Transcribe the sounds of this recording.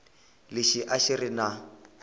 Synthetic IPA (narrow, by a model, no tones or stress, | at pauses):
lɪʃiʔaʃirɪna